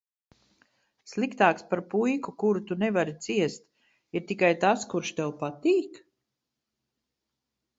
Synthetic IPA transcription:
slˠikt̪aːkspaɾpujkukuɾut̪unɛvaɾit̪siɛst̪ | iɾt̪ikajt̪askuɾʃt̪ɛlˠpat̪iːk

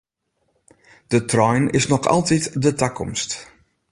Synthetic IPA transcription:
d̥ətrɔjnɪ̰snɔxɑ̰lˠtitdətakʰɔ̰mst

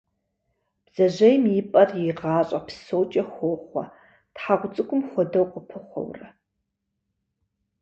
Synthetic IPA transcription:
b̥z̥ɐʑɐjmjipʼɐrjiʁɑːɕʼɐpʰsoːt͡ʃʼɐxʷoːχʷɐ̰ | tħaʁʷʊt͡sʼɨkʷʼʊmxʷɔdɐwqəpʰɨχʷɔ̰wrɐ

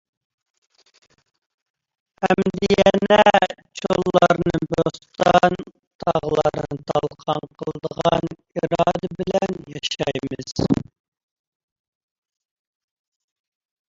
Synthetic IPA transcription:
hæmd̪ɪjɛɛnɛt͡ʃʰolˠːɑɾnɨbost̪ɑn | t̪ʰɑʁlˠɑɾnɨt̪ʰɑlˠqʰɑnqʰəlˠəd̪əʁɑn | iɾɑɑːd̪ɛbɪlɛnjɑʃɑjmɨz̥

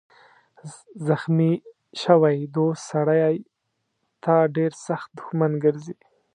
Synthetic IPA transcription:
zaxmi | ʃəwajd̪ossaɽajaj | t̪ʰɑɖeɾsaxt̪̚d̪ʊxmanɡəɾzi

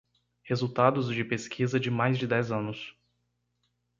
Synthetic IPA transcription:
hezuwt̪ad̪ʊzd͡ʒɪpeskʰizɐd͡ʒɪmajzd͡ʒɪd̪ɛzɐ̃nʊs

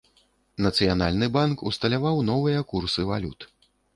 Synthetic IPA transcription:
nɐt̪sɨjana̰lʲnɨbankust̪ɐlʲavawnɔvɨjɐkursɨvalʲṵt̪

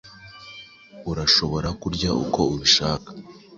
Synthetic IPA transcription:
uɾaʃo̞βo̞ɾakuɾɟaʔṵko̞uβiʃaːkḁ

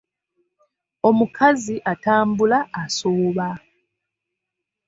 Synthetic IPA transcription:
o̞mukʰaziʔataːmbulaːsoːβa

